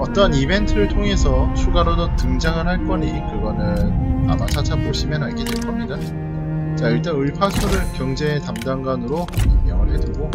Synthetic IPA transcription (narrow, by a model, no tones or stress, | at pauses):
ʌt͈ʌnibe̞ntʰɯɾɯɭtʰoŋe̞sʰʌt͡ɕʰuɡaɾodotɯŋd͡ʑaŋɯɭhaɭk͈ʌɲikɯɡʌnɯna̰mat͡ɕʰat͡ɕʰamboɕʰimjʌnaɭɡedwe̞ɭkʰʌmɲida | t͡ɕaiɭt͈anɯɭpʰasʰuɾɯɭkjʌŋd͡ʑe̞ːtamdaŋɡanɯɾoammjʌŋɯɭhe̞dɯɡo